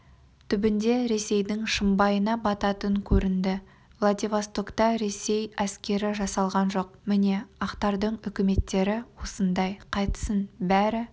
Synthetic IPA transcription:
t̪ʰʏbɪnd̪e̞ɾe̞se̞jd̪ɪŋʃəmbɑjənɑbɑt̪ɑt̪əŋkʲʰɵɾɪnd̪ɪ | vlˠad̪ʲevast̪o̞kt̪ɑɾe̞se̞jæskʲe̞ɾɪʒɑsɑlˠʁɑnʒo̞q̚mɪne̞ɑqt̪ɑɾd̪əɴʏkʲɪme̞t̪ːe̞ɾɪwo̞sənd̪ɑjqʰɑjt̪ə̥sənbæɾɪ

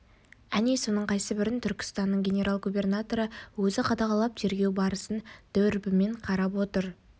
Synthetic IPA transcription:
ænijso̞nəɴqʰɑjsəbɪɾɪnt̪ʰʏɾkʲɪ̥st̪ɑnːəɴɡʲe̞nʲe̞ɾʔalˠɡubʲe̞rnat̪o̞ɾəwɵzɪqʰɑd̪ɑʁɑlˠɑp̚t̪ʰe̞ɾɡʲe̞wbɑɾəsənd̪̥ɵɾbɪme̞ɴqʰɑɾɑpwo̞t̪əɾ

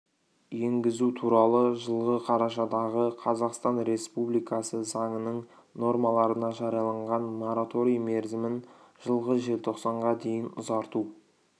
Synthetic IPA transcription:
je̞ŋɡʲɪzut̪ʰuɾɑlˠəʒəlˠʁəqʰɑɾɑʃɑd̪ɑʁəqʰɑzɑqst̪ɑnɾe̞spublijkɑsəzɑɴənəɴ | no̞rmɑlˠɑɾənɑʒɑɾjɑlˠɑɴʁɑnmoɾat̪o̞ɾijme̞ɾzɪmɪn | ʒ̥əlˠʁəʒe̞lt̪ʰo̞qsɑɴʁɑd̪e̞jɪnʊzɑɾt̪u

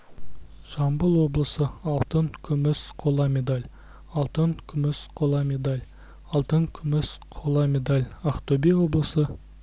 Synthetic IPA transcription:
ʒ̥ɑmbəlˠwo̞blˠəsəɑlˠt̪əŋkʲʰʏmɪsqʰo̞lˠɑme̞d̪alʲ | ɑlˠt̪əŋkʲʰʏmɪsqʰo̞lˠɑmʲe̞d̪alʲ | ɑlˠt̪əŋkʲʰʏmɪsqʰolˠɑme̞d̪alʲɑqt̪obiwo̞blˠəsə

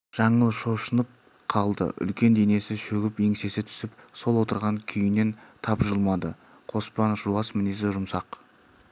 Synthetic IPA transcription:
ʒ̥ɑɴəlˠʃo̞ʃənəp̚ | qʰɑlˠd̪ə̰ʔʏ̰lkʲe̞nd̪e̞ne̞sɪʃɵɡʲɪpe̞ŋse̞sɪt̪ʰʏ̥sɪpso̞lˠwo̞t̪əɾʁɑŋkʲʰʏjɪne̞nt̪ʰɑpʒəlˠmɑd̪ə | qʰo̞spɑnʒuɑsmɪnes̬ɪʒʊmsɑq

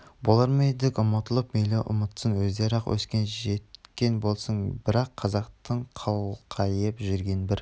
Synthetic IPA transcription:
bolˠɑɾmejd̪ɪkʲʊmɑt̪əlˠəpmejleʔʊ̰mət̪sənwɵzd̪eɾɑqwʔɵ̰skʲe̞nʒet̪kʲe̞nbo̞lˠsəɴbɪɾɑqqʰːɑzɑqt̪əɴqʰɑwqʰɑjəpʒʏɾɡʲe̞nbɪɾ

